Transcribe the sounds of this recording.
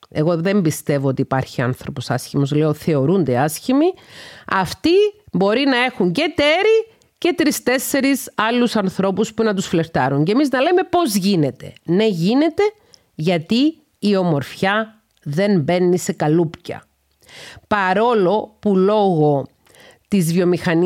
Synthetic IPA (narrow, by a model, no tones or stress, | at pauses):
e̞ɣo̞ðe̞mbist̪e̞vo̞ot̪iːpɐɾçiɐ̰nθɾo̞po̞sɐsçimo̞zle̞o̞θe̞o̞ɾund̪eɐsçimiɐ̰ft̪ibo̞ɾinɐe̞xuɲce̞t̪e̞ɾi | ce̞t̪ɾist̪e̞sːe̞ɾisɐlːusɐnθɾo̞puspunɐt̪usfle̞ɾt̪ɐɾuɲcemiznɐleme̞po̞zʝine̞t̪e̞ne̞ʝine̞t̪e̞ | ʝɐt̪iː | o̞mo̞ɾfçɐ | ðe̞nbe̞nːise̞kɐlupcɐ̰ | pɐɾo̞lo̞pulo̞ɣo̞ | t̪izvjo̞mixɐn